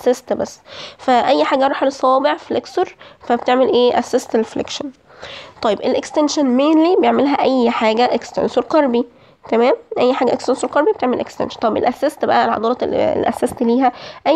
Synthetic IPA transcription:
sest̪bæsːfæʔæjːħaːɡæɾˤɑːħalesˤːɑɑːbeʕfilʔeksoɾˤfæbet̪eʕmelʔeːʔæsːest̪elflḛkʃæn | t̪ˤɑjebelʔekst̪enʃænmeːnlibejeʕmelɦæʔæjːħaːɡæʔekst̪ḛnsoɾˤqɑɾˤbi | t̪æmæːmʔæjːħaːɡæʔekst̪ensoɾˤqɑɾˤbibet̪eʕmelʔḛkst̪ḛnʃɑnt̪ˤɑjebʔḛlʔæsːest̪bæ̰ʔælʕɑ̰d̪ˤɑːɾˤɑ̰lʔæ̰sːæst̪liːɦæʔæ

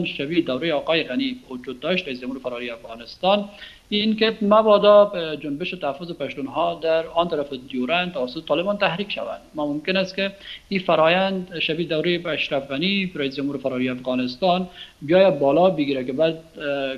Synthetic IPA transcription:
nʃabid̪awɾejɑːqɑːjɪɣaniwʊd͡ʒud̪̚ːɔʃt̪ɾais̬d͡ʒamhuːɾɪfaɾɔɾiafɣɑnɪst̪ɑn | inkemabɔd̪ɔd͡ʒʊnbɪʃɪt̪ahafʊzɪpaʃt̪unɦɔd̪aɾɑnt̪aɾafɪd̪juɾant̪awasʊt̪ɪ̥t̪ɑlɪbɑnt̪ahɾikʃa̰wa̰nd̪mamʊmkɪnast̪kɪifaɾɔjand̪ʃabid̪awɾejaʃɾafɣaniɾais̬d͡ʒamhuːɾfaɾɔɾiafɣɑnɪst̪ɑnbijɑjad̪̚bɑlɔbɪɡiɾakɪbad̪

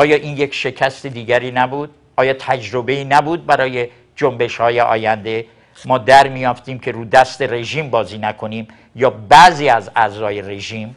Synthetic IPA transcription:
ʔɒːjɒːʔiːnjekʃe̞cʰæst̪ed̪iːɡæɾiːnæbuːd̪̥̚ | ʔɒːjɒːt̪ʰæd͡ʒɾobe̞iːnæbuːd̪̚bæɾɒːje̞ | d͡ʒombe̞ʃhɒːjeʔɒ̰ːjænd̪e̞ | mɒːd̪æɾmijɒːft̪iːmcʰe̞ɾuːd̪æst̪e̞re̞ʒiːmbɒːziːnækʰoniːm | jɒːbæziːæzæzɒːje̞re̞ʒiːm

